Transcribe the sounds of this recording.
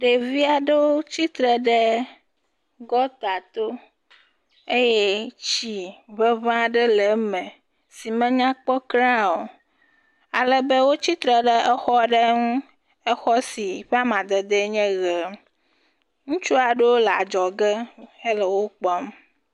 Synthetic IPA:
ɖe˨vi˦a˨ɖe˦wo˦t͡ɕi˦t̪ɾɛ˨ɖɛ˦ | ɡɔ˦t̪a˨t̪o˦ | e˦je˦t͡ʃi˦βe˦vã˦ɖe˦le˨mɛ̃˨ | si˨mɛ̃˦ɲã˦k͡pɔ˦kɾã˦o˨ | a˨le˨be˦wo˦t͡ɕi˦t̪ɾɛ˨ɖɛ˦ʔɛ˦xɔ˦ɖe˦ŋũ˦ | ɛ˦xɔ˦si˨ɸa˦mã˨d̪e˨d̪e˦ɲɛ̃˦ɣe˨m | ŋũ˦t͡ʃu˦a˨ɖe˦wo˦lɛ˨a̰˨d͡ʒɔ˨ɡe˦e˦lɛ˨wo˦k͡pɔ˦m

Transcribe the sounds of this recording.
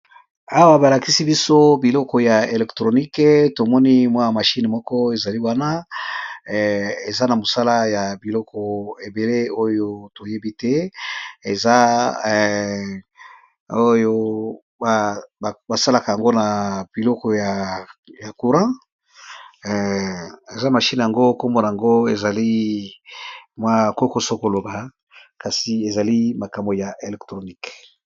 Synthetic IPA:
a˦wa˦ba˨la˨ki˦si˦bi˦so˦bi˨lɔ˦kɔ˨ja˨e˨lɛ˨ktʁo˨ni˦kto˨mɔ˦ni˦mwa˦ja˨ma˨ʃi˦n˨mɔ˦kɔ˦e˨za˨li˦wa˦na˦ | e˨za˦na˨mo˨sa˦la˦ja˨bi˨lɔ˦kʰɔ˨e˨be˨le˦o˦jo˦to˨je˦bi˦tɛ˦e˨za˦ | o˦jo˦ | a˨ba˨sa˦la˨ka˨ja˨ŋɡo˦na˨b̥i˨lɔ˦kɔ˨ja˨ja˨ku˨ʁã˦˨ | e˨za˦ma˨ʃi˦n˨ja˨ŋɡo˦ko˦mbo˨na˨a˨ŋɡo˦e˨za˨li˦ | mwa˦˨ko˦ko˦so˦ko˨lo˨ba˨ | ka˨si˨e˨za˨li˦ma˨ka˨mbo˨ja˨ʔe˨lɛ˨ktʁo˨ni˦k

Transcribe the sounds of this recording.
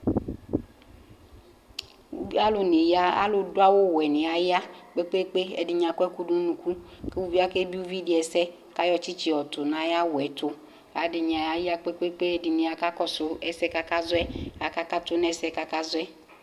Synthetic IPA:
a˦lʊ˨nɪ˨ja˦a̰˦lʊ˨dʊ˦a˦wʊ˦wɛ˨nɪ˨a˨jɪ˦a˦k͡pe˦k͡pe˦k͡pe˦ɛ̰˨dɪ˨ɲa˨kɛ˦ku˦du˦nũ˨ku˦ke˦wu˦vi˦a˦kɛ˦bi˦u˦vi˦dɪ˨ɛ˨sɛ˦ | ka˦jɔ˨t͡ʃi˦t͡ʃi˨ɔ˨tʊ˨na˨ja˦wɛ˨tʊ˦ | a˨˦dɪ˨ɲ˨a˨ja˨jɪ˦a˦k͡pe˦k͡pe˦k͡pe˦ɛ˦dɪ˨nɪ˨a˨ka˦kɔ˦sʊ˨ɛ˦sɛ˦ka˦ka˦zʊ˦ɛ˦a˨ka˦ka˦tʊ˦n˦ɛ˦sɛ˦ka˦ka˦zʊ˦ɛ˦

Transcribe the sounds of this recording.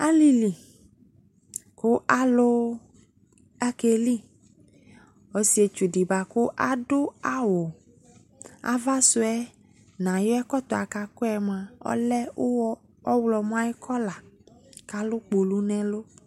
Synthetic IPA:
a˦li˦li˨ | ko˦ʔa˦lo˦ | a˦ke˨li˦ | o˨si˦e˨t͡ʃu˨di˨ba˨ko˦ʔa˦do˦a˦wo˨ | a̰˦va˦so˦ɛ˦ | nã˨jɔ˦ɛ˦kɔ˦t̪ɔ˨a˨ka˨ko˦ɛ˨mã˨ɔ̰˦lɛ˦o˦ɔ˦ | ɔ˦wlɔ˨m˦ã˦e˦kʰɔ˦la˨ka˦lo˦k͡po˨lu˦nɛ̃˨lo˦

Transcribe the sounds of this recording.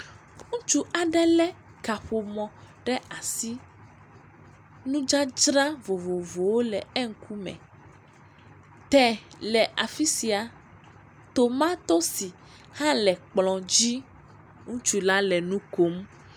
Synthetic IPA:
ŋũ˦t͡ʃu˦a˨ɖɛ˦lɛ˦ | ka˨ɸo˨mɔ̃˨ | ɖɛ˦a˨si˦ | nũ˦d͡ʒa˦d͡ʒɾa˦vo˨vo˨vo˨wo˦lɛ˨ɛ˦ŋ̩˦ku˦mɛ̰̃˨ | t̪ɛ˨lɛ˨ʔa˨fi˦si˨a˨ | t̪o˨mã˦t̪o˦si˨ | hã˦lɛ˨k͡plɔ̃˨d͡ʒi˦ | ŋũ˦t͡ʃu˨la˦lɛ˨nũ˦ko˨˦m

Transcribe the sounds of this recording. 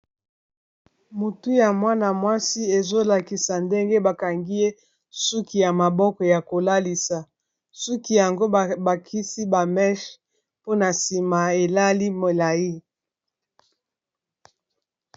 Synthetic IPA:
mu˨tu˦ja˨mwa˦na˨mwa˦si˦e˨zo˦la˨ki˨sa˨nde˦ŋɡe˦ba˨ka˨ŋɡi˦je˦ | su˦ki˨ja˨ma˨bɔ˦kɔ˨ja˨ko˨la˦li˨sa˨ | su˦ki˦ja˨ŋɡo˦ba˨kʰi˦si˦ba˨mɛ˦ʃ | po˦na˨si˨ma˨e˨la˦li˦mo˨la˨ji˦

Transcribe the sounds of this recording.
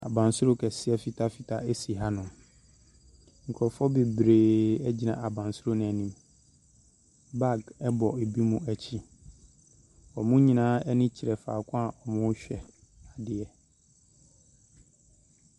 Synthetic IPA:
a˨bã˨nsʊ˦o˦kʰɛ˨sɪ˦ɛ˦fi˨tʰa˦fi˨tʰa˦e˦si˨ɦa˦nʊ̃˨ | ŋ̩˨kʰɔ˨fɔ˦be˨bɾeː˨ɛ˦d͡ʑi˦nã˨ʔa˨bã˨nsʊ˦ɾo˦nʊ̃˨æ˨nĩ˦m | ba˦˨ɡɛ˦bɔ˨e˨bi˦mũ˦æ˨t͡ɕʰi˦ | ɔ˨mʊ̃˦ɲĩ˨nãː˨˦ɛ˦nɪ̃˦t͡ɕʰi˨ɾɛ˨fa̰ː˨kʰʊ̃˦a˨ʔɔ˨mʊ̃˦ɕᶣɛ˨ | a˨dɪ˨ɛ˨

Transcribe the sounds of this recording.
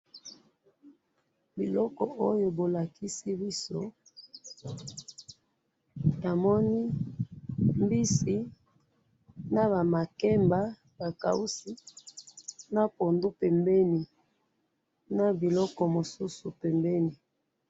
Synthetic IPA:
bi˨lɔ˦kɔ˨ʔo˦jo˨bo˨la˨ki˦si˦bi˦so˦ | na˨mɔ˦ni˦ | m˦bi˦si˦ | na˦βa˨ma˨kɛ˦mba˦ | ba˨ka̰˨u˦si˦ | na˦po˨ndu˦pɛ˨mbɛ˦ni˨ | na˨bi˨lɔ˦kɔ˨mo˨su˦su˨pɛ˨mbɛ˦ni˨

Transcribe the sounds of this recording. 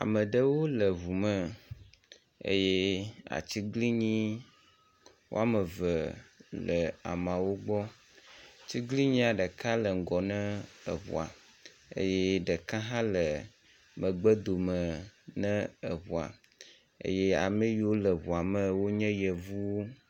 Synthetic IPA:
a̰˨mə̃˨ɖə˦wo˦lə˨βu˨mə̃˦ | ḛ˦je˦a̰˨t͡ɕi˦ɡli˦ɲĩ˦ | wo̰˦a˦mə̃˨və˨lə˨a̰˨mã˨wo˦ɡ͡bɔ˦ | t͡ɕi˦ɡli˦ɲĩ˦a˨ɖə˨kã˦lə˨ŋ̩˨ɡɔ˨nɛ̃˦ə̰˨βṵ˨a̰˨ | ḛ˦je˦ɖə˨kã˦ɦã˦lə˨ | mə̃˨ɡ͡bə˦d̪o˨mə̃˨nɛ̃˦ə˨βu˨a̰˨ | ḛ˦je˦a̰˨me˦ji˨˦wo˦lə˨βu˨a˨mə̃˦wo˦ɲɛ̃˦jɛ˨vu˦wo˦

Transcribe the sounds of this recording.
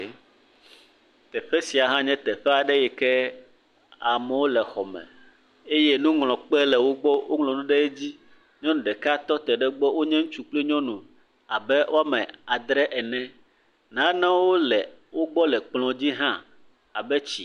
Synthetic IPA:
t̪ɛ˨ɸɛ˦si˨a˨ɦã˦ɲɛ̃˦t̪ɛ˨ɸɛ˦a˨ɖɛ˦jɛ˨kɛ˦ | a˨mɛ˨wo˦lɛ˨xɔ˨mɛ̰̃˨ | e˦jɛ˦nũ˦ŋlɔ̃˨k͡pɛ˦lɛ˨wo˦ɡ͡bɔ˦wo˦ŋlɔ̃˨nũ˦ɖɛ˦e˦d͡ʑi˦ | ɲɔ̃˦nũ˨ɖɛ˨ka˦t̪ɔ˦t̪ɛ˨ɖɛ˦ɡ͡bɔ˦wo˦ɲɛ̃˦ŋũ˦t͡ʃu˨k͡ple˦ɲɔ̃˦nũ˨ | a˨bɛ˦wʔo˦a˦mɛ̃˨a˨d̪ɾɛ˦ʔɛ˨nɛ̃˦ | nã˨˦nã˦wo˦lɛ˨wo˦ɡ͡bɔ˦lɛ˨k͡plɔ̃˨d͡ʑi˦ɦã˦ | a̰˨bɛ˦t͡ɕi˨

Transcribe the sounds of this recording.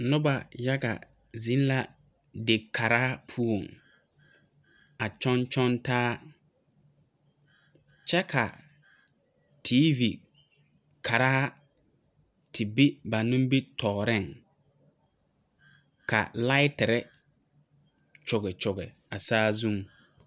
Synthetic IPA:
nʊ˦ba˨ja˦ɡa̰˨ | zĩ˦n˦la˦ | de˨kʰːa˨ɾaː˦pʰu˦o˨ŋ | a˨t͡ʃɔ˦nt͡ʃɔ˦ntaː˦ | t͡ʃɛ˦kʰa˨ | tʰiː˦vi˨ | kʰa˨ɾa˦a˦ | tʰɪ˨bɪ˦ba˨nʊ̃˦m˦bi˦tʰɔː˨ɾɪ˦˨ŋ | ka̰˨la˦ɪ˦tɪ˨ɾɛ˦ | t͡ʃʊ˨ɣɛ˨t͡ʃʊ˨ɣɛ˨ | a˨saː˦zũ˦˨m

